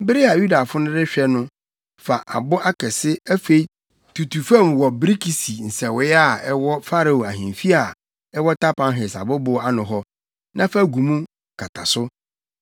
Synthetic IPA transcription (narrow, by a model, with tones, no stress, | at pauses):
m̩˦bɪ˦ɾɪ˦a˨ju˦da˨fʊ˦nʊ̃˦dɪ˦ɕᶣɛ˦nʊ̃˦ | fa˨ʔa̰˨bʊ˦ʔa˦kʰɛ˨sɪ˦æ˦fe˦i˦ | tʰu˨tʰu˨fɛ˦˨m˨wɔ˨bɾi˦kʰi˨si˨n̩˨sɛ˨wɪ˨˦a˨ɛ˦wɔ˦fa˦ɾa˨o˨a˨ɦĩ˨mfi˦a˨ | ɛ˦wɔ˦tʰa˦pã˨˦nɦɪ˨sa̰˨bʊ˦bʊ˦a˦nʊ̃˨ɦɔ˦ | nã˦fa˦˨ɡu˨mũ˦˨ | kʰa˨tʰa̰˨sʊ˦